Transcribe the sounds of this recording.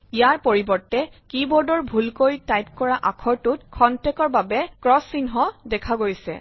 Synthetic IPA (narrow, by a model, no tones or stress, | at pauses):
ijaɹpoɹibɔɹtɛkibɔdɔɹbʱulkojtajp̚kɔɹaʔakʰɔɹtut̚kʰɔntɛkɔɹbabɛkɹɔsinɦɔdɛkʰaɡojsɛ̰